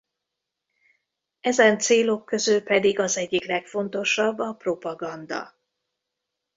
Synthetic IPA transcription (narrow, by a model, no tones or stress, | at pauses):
ɛzɛnt̪seːlo̞kːø̞zølpɛd̪iɡɒzɛɟːiklɛkfo̞nt̪o̞ʃɒbːɒpro̞pɒɡɒnd̪ɒ̰